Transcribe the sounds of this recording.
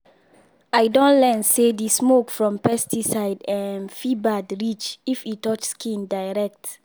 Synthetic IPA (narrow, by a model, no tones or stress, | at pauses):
ajdõnlɛ̃nsedismokfɹɔ̃mpɛstisaɪdɛ̃nfibadɹit͡ʃifitɔt͡ʃskĩndaɪɹɛk̚t